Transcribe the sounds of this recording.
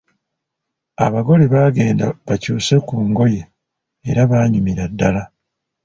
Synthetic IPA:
a̰βaɡo̞leβaːɡe̞ːndaβacuːse̞kuːŋɡo̞je̞ː | ɾaβaːɲumiɾadːala

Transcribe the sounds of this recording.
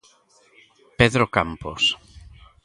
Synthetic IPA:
peðɾokampo̰s

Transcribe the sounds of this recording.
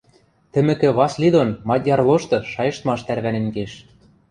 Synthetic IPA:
t̪ɘ̆mɘ̆kɘ̆βɑslʲid̪onmɑt̪ʲjɑrlˠoʃt̪ɤ̆ʃɑjɤ̆ʃt̪mɑʃt̪æɾβænĕnkeʃ

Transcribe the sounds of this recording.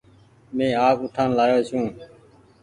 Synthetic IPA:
mẽːaːpʊʈʰaːnlaːjoːsũː

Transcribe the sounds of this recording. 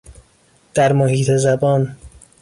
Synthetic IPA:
d̪̥æɾmohiːt̪ʰe̞zæbɒːn

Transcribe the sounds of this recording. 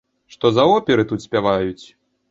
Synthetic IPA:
ʂt̪ɔzɐɔpʲɛɾɨt̪ut̪sʲpʲavajut͡sʲ

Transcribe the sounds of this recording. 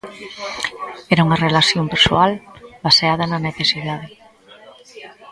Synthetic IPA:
ɛɾauŋɐrelaθjompeɾso̰albaseað̞ɐnɐneθesiðað̞e

